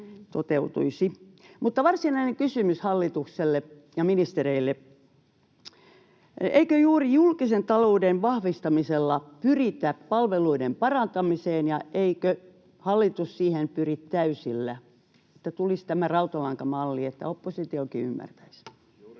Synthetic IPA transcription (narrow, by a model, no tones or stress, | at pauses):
t̪ot̪eut̪ṵisimut̪ːɑʋɑrsinɑineŋkysymyshɑlːit̪ukselːe | jɑminist̪ereilːe | eikøjuːrijulkisent̪ɑloudenʋɑhʋist̪ɑmiselːɑpyrit̪æppɑlʋeluidempɑrɑnt̪ɑmiseːnjɑʔeikø | hɑlːit̪ussiːhenpyrit̪t̪æysilːæ | et̪ːæt̪ulist̪æmærɑut̪ɑlɑŋkɑmɑlːiet̪ːæ̰opːosit̪iokiymːæ̰rt̪æis